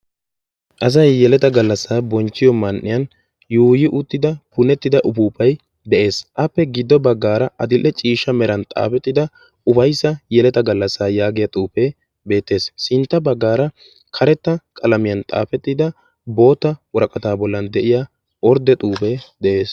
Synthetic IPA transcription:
ʔɐs̬ɐjːɛlɛt̪ɐɡɐlːɐsːaːbɔnt͡ʃːɪjɔmɐnʔːɪjɐn | juːjɪʔʊt̪ːɪd̪ɐpʊnɛt̪ːɪd̪ɐʔʊpuːpɐj | d̪ɛʔe̞ːsʔɐpːɛɡɪd̪ːɔbɐɡːaːɾɐʔɐd̪ɪlʔɛt͡ʃʼiːʃːɐmɛɾɐnt̪ʼa̰ːpɛt̪ːɪd̪ɐ | ʊfɐjsːɐjɛlɛt̪ɐɡɐlːɐsːaːjaːɡɪjɐt̪ʼuːpe | be̞ːt̪ːe̞ːssɪnt̪ːɐbɐɡːaːɾɐ | kʰɐɾɛt̪ːɐkʼɐlɐmɪjɐnt̪ʼa̰ːfɛt̪ːɪd̪ɐ | bo̞ːt̪ːɐwɔɾɐkʼɐt̪aːbɔlːɐnd̪ɛʔɪjaː | ɔɾd̪ɛt̪ʼuːpɛd̪ɛʔe̞ːs

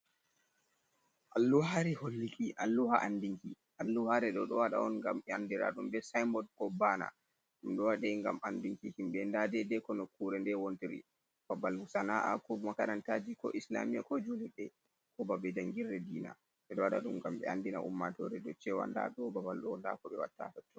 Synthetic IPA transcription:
ʔalːuhaɾɛholːikiʔalːuhaʔandiŋki | ʔalːuhaɾɛɗɔɗɔwaɗa̰ɔnŋɡamɛandiɾa̰ɗumbɛsajmbɔdkɔbaːna̰ | ɗumɗɔwaɗɛŋɡa̰mʔandiŋkihimɓɛndadɛdɛkɔnɔkuɾɛndɛwontiɾḭ | b̥abalhusanaʔa̰kɔmakaɾantad͡ʒikɔ̰ʔisla̰mijakɔd͡ʒuliɗɛ | kʰɔbabɛd͡ʒaŋɡiɾɛdiːna̰ | ɓɛɗɔwaɗa̰ɗumɡamɓɛ̰andina̰ʔṵmːatɔ̰ɾɛɗɔt͡ʃɛwa̰nda̰ɗɔbabalɗɔɔnda̰kɔɓɛwa̰tːa̰fɛtːɔ

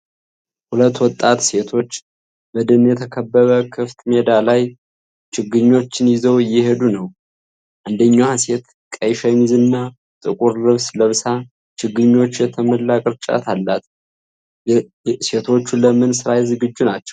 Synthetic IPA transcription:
hulət̪ːwɔt̪ʼːat̪se̞t̪ʰo̞t͡ʃː | bəd̪ɨnjɛt̪ʰəkʰəbːəβəkʰɨft̪me̞d̪alaj | t͡ʃɪɡːɨɲːo̞t͡ʃːɪnjɪzəwjɪhe̞d̪unəw | ʔand̪əɲːase̞t̪ | kʼəjʃəɲzɨnːa | t̪ʼɨkʼuɾlɨβsləβsa | t͡ʃʰɨɡːɨɲːo̞t͡ʃːjɛt̪ʰəməlːakʼɨɾt͡ʃʼa̰t̪ʰalːat̪ | se̞t̪ʰo̞t͡ʃːuləmɨnsɨɾajzɨɡɨd͡ʒːunat͡ʃːɛ̥w

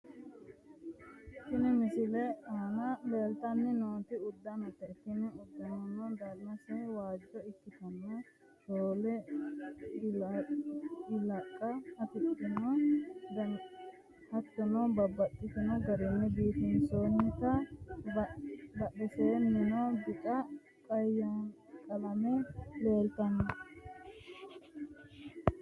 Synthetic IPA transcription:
ɪt̪ːɪnɛmɪsɪlɛanɐleːlt̪ɐnːɪnoːt̪ɪʊd̪ːɐnɐt̪ːɐɪt̪ːɪnɪʊd̪ːɐnɐnɐd̪ɐɾnɐsɛwaːd͡ʒːɔɪkːɪt̪ɐnɔ | toːlɛ | ɪlɐkʼːɐːt̪ɛt̪ːɔnod̪ɐ | hɐt̪ːɔnɐbɐbːɐt̪ʼːɪt̪ɪnɐɡɐɾɛnːɛbiːt̪ɪnsoːnt̪ːɐbd̪ɐɗɛseːnːɛnɔbɪt̪ʼɐ | kʼɐjːɐn | kʼɐlɐmɛle̞ːlt̪ɐnɐ

